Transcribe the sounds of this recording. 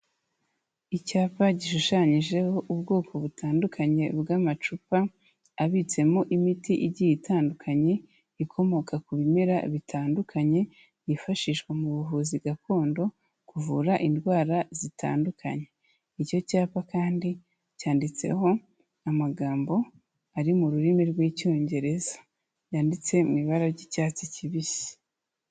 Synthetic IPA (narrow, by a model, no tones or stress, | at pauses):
icaːpaɟiʃuʃaɲiʒe̞ho̞ʔubɡo̞ːkʰo̞βutʰaːndukʰaɲe̞bɡaːmat͡ʃupaː | βit͡se̞mo̞ʔimitiʔiɟijitaːndukʰaɲe̞ | ikʰo̞mo̞kakuβimeɾaβitʰaːndukʰaɲe̞ | jifaʃiʃɡwemuβuvuːziɡakʰo̞ːndo̞ | kuvuɾaʔindwaːɾazitʰa̰ːndukʰa̰ɲe̞ | ico̞caːpakaːndi | caːndit͡se̞̰ho̞ | amaɡaːmbo̞ | aɾimuɾuɾimiɾɡwiːco̞ːɲɟe̞ɾe̞zḁ | jaːndit͡se̞miβaɾaɾɟicaːt͡siciβisi̥